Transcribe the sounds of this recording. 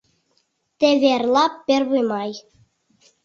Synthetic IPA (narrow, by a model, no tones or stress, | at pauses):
t̪eβerlˠɑpːɘ̆ɾʲβujmɑj